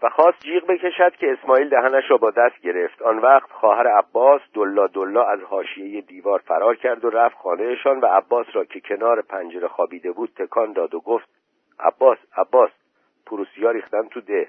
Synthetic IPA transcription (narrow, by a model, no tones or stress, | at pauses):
væxɒːst̪̚d͡ʒiːɣbe̞cʰe̞ʃæd̪̥̚cʰe̞ːsmɒːiːld̪æɦænæʃɾɒːbɒːd̪æst̪̚ɟe̞ɾe̞ft̪ɒːnvæχt̪xɒːhæɾeæbːɒːsd̪olːɒːd̪olːɒːæzhɒːʃije̞jed̪iːvɒːɾfæɾɒːɾcʰæɾd̪o̞ɾæfxɒːne̞jeʃɒːnvæːbːɒːsɾɒːcʰe̞cʰe̞nɒːɾepʰænd͡ʒeɾexɒːbiːd̪e̞buːd̪̥̚t̪ʰe̞kʰɒːnd̪ɒːd̪oɡoːft̪̚ | ʔæ̰bːɒːsæbːɒːs | pʰuɾusijɒːɾiːxt̪ænt̪ʰud̪eh